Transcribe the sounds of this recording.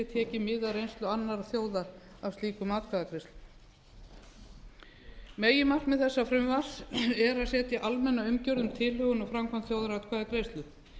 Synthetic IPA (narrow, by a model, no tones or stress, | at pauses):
ɛt̪ʰɛːcɪmɪðaɾejnst̪lʏanːaɾaθjoːwða | avst̪iːkʏmaːt̪̚kʰvaːðakɾejst̪lʏ̥ | meːjɪmar̥kmɛðθɛsːafɾʏmvaɾ̥sɛɾaðsɛːt̪jaʔalmɛnːaʏmcœwɾðʏmt̪ʰɪlhʏɣʏnafɾamkʰant̪θjowðaɾat̪kʰvaːðakɾejst̪lʏ